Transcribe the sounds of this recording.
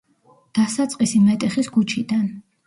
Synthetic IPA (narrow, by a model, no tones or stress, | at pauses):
d̪̥asat̪sʼqʼisimɛt̪ʼɛχisɡut͡ʃʰid̪an